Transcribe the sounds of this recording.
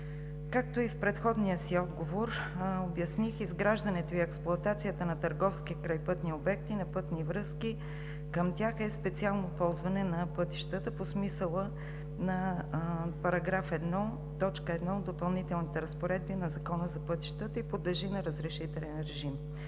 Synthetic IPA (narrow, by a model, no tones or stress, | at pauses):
kak̚t̪oifpɾɛt̪xɔd̪nijəsiɔd̪ɡovoɾobjɐsnixizɡɾaʒd̪ənɛt̪oiɛksplˠʊɐt̪at̪sijət̪ənɐt̪əɾɡɔfskikɾajpɤt̪niobɛk̚t̪inɐpɤt̪nivɾɤski | kəmt̪ʲjaxɛspɛt̪sialˠnopɔlˠzvɐnɛnɐpɤt̪i̥ʃt̪ət̪əposmisəlˠə | nɐ | pɐɾɐɡɾafɛd̪nɔ | t̪ɔt͡ʃkəɛd̪nɔod̪ːopɐlˠnit̪ɛlˠnit̪ɛɾəspoɾɛd̪̚binɐzɐkɔnəzɐpɤt̪i̥ʃt̪ət̪əipod̪ɛʒinɐɾəzɾɛʃit̪ɛlɛnɾɛʒim